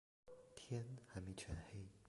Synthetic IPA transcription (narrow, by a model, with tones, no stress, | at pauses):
t̪ʰjɛ˥nha˧˩mi˧˩t͡ɕʰɥɛ˨˩nhe˥˦